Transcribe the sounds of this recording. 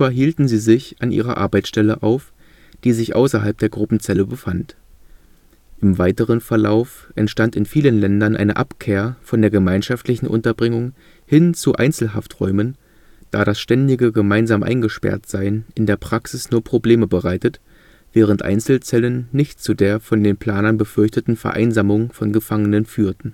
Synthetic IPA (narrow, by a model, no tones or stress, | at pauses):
ɐɦiːltn̩ziːzɪçʔanʔḭːʁɐ̰ʔa̰ɐbaɪt͡ssʃtɛləʔaʊf | d̥iːzɪçʔa̰ʊsɐɦalp̚d̥eːɐɡʁʊpm̩t͡sɛləbəfant | ʔɪmvaɪtəʁənfɛɐlaʊf | ʔɛ̰ntʃtantɪnfiːlənlɛndɐnʔa̰ɪnəʔapkʰeːɐfɔndeːɐɡəmaɪnʃaftlɪçn̩ʔʊ̰ntɐbʁɪŋʊŋ | hɪnt͡suʔa̰ɪnt͡sl̩ɦa̰ftʁ̥ɔʏmən | d̥aːɾasʃtɛndɪɡəɡəmaɪnzaːmʔa̰ɪnɡəʃpɛ̰ɐtz̥aɪənʔɪndeːɐpʁ̥aksɪsnuːɐpʁ̥obleːməbəʁaɪtət | v̥ɛːʁ̞əntʔa̰ɪnt͡sl̩t͡sɛlənːɪçtt͡sudeːɐfɔndeːnpʰl̥aːnɐnbəfʏɐçtətn̩fɛɐʔa̰ɪnzaːmʊŋfɔnɡəfaŋənənfyːɐtn̩